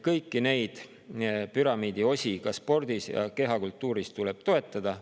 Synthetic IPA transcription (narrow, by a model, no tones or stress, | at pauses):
kɤjkːine̞jd̪̥ | pyɾɑmiːd̪̥io̞sʲikɑspo̞rd̪̥isjɑ̰keɦɑkult̪ːˑuːɾist̪ule̞b̥t̪o̞e̞t̪ːˑɑd̪̥ɑ